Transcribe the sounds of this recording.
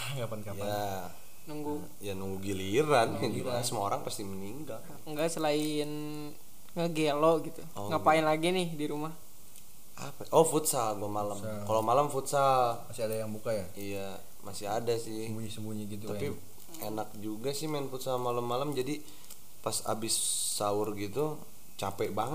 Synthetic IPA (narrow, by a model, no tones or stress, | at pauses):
kapankaja | nuŋɡu | januŋɡuɡiliɾankanulaasəmaoɾaŋpast̪ihməniŋɡal | ŋɡaʔsəlain | ŋəɡeloɡit̪uɔŋɡapaɪnlaɡinɪhdiɾumah | a̰paʔɔfut̪saɡuamalam | kalomalamfut̪samasiadajaŋbukajaija | masɪɦadasɪhbuɲisəmbuɲiɡit̪uapi | enak̚d͡ʒuɡasɪhmaɪnfut̪samalamːalamd͡ʒadi | pasa̰bɪsː | aʊrɡit̪u | t͡ʃapɛʔbaŋə